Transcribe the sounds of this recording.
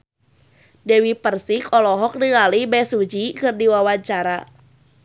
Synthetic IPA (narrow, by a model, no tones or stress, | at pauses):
dɛwipərsikɔlɔɦɔk̚dəŋalibɛsud͡ʒikɨrdiwawaɲt͡ʃaɾa